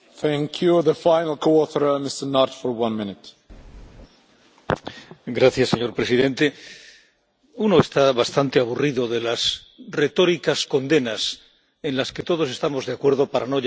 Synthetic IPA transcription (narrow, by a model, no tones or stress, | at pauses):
θæ̃ŋkʰjuðəfajnəl̩ˠkʰoɔθəɾmɪstənaɾtfɔɹwʌ̃nmɪ̃nɪt | ɡɾaθjasːe̞ɲo̞ɾpɾe̞siðẽ̞nt̪e̞ | uno̞est̪aβast̪ant̪e̞aβ̞uriðo̞ðe̞las | re̞t̪o̞ɾikasko̞nd̪e̞nas | ẽ̞nlaske̞t̪o̞ð̞o̞se̞st̪amo̞zðeakwe̞ɾð̞o̞paɾano̞ʝ